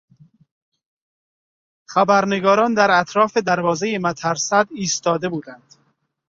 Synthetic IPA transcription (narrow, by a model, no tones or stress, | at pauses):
χæbæɾne̞ɡɒːɾɒːnd̪æɾæt̪ʰɾɒːfed̪æɾvɒːzejemæt̪ʰæɾsæd̪iːst̪ɒːd̪e̞buːd̪ænd̪̥